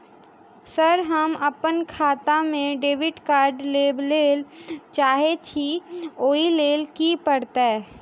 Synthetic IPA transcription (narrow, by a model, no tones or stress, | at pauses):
səɾɦəməpənkʰaːt̪amẽɖeːʋɪɖkaːɾɖleːbleːlt͡ʃaːɦet͡ʃʰioːileːlkipəɽt̪aɛː